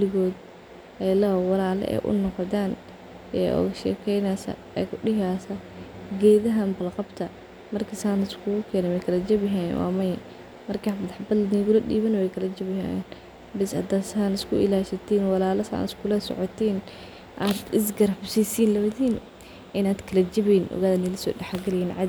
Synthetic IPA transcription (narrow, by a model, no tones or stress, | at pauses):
lɪɣɔːd̪ | ɛlɐwɑlaːlɛ̰ʔɛ̰ːʔʊ̰nɔqɔt̪aːn | ɛ̰ːʔɔ̰ːɣɐʃɛ̰ːkʰɛjnaːsɐ̰ | ɛ̰ːkʰʊɗɪɦaːsɐɡɛːðɐɦɐmbɐlqɑbt̪ʰɐ | mɐrkʰɐsaːnɪskʰʊɣʊkʰɛːnɛwɛjkʰɐlɐd͡ʒɐβɪɦaːjɛ̰nwʔɑ̰ːmɐjɐ | mɐrkʰamɐðɐħbɐd̪lniɣʊlɐɗḭːβɐnwɛjkʰɐlɐd͡ʒɐβɪɦa̰jɛ̰n | bɪshɐd̪asaːnɪskʰʊʔɪ̰laːʃɐt̪ʰiːnwɑlaːlɐsa̰ːnɪskʰʊlɐsɔ̰ʕɔt̪ʰiːn | ʔaːd̪ɪs̬ɡɐɾɐbsiːsiːnlɐwɐðiːn | ʔɪnaːd̪kʰɐlɐd͡ʒɐβiːnʔɔ̰ɣaːðɐnɪlɐsɔ̰ːɖɛħɡɐlɪjiːnʕɑd̪